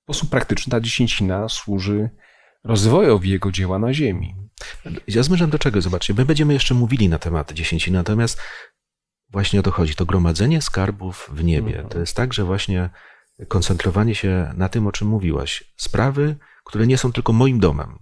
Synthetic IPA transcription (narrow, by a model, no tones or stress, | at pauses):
spɔsupːɾakt̪ɘt͡ʂnɘt̪ad͡ʑeɕeɲt͡ɕinaswuʐɘ | ɾɔzvɔjɔvʲjɛɡɔd͡ʑɛwanaʑemʲḭ | jazmʲɛʂ̬amd̪ɔt͡ʂɛɡɔzɔbat͡ʂt͡ɕɛmɛɘbɛɲd͡ʑɛmɘjɛʂt͡ʂɛmuvʲilʲinat̪ɛmat̪d͡ʑeɕeɲt͡ɕinɘnat̪ɔmʲjast̪ | vwaɕɲɛɔt̪ɔxɔd͡ʑit̪ɔɡɾɔmad̪zɛɲɛskaɾbufvɲebʲjɛ̰t̪ɔjɛst̪t̪ːaɡʐɛvwaɕɲɛ | kɔnt̪sɛnt̪ɾɔvaɲɛɕɛnat̪ɘmɔt͡ʂɘmːuvʲiwa̰ɕspɾʔavɘ | kt̪uɾɛɲɛsɔ̃w̃t̪ɘlkɔmɔjimd̪ɔmɛ̰m